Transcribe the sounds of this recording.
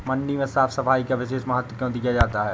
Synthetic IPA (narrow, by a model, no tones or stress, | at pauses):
mɐ̃ɳɖimẽsaːfsɐfaːikaʋɪʃeːʃmɐɦət̪wəkjõd̪iːjad͡ʒaːt̪aɦɛː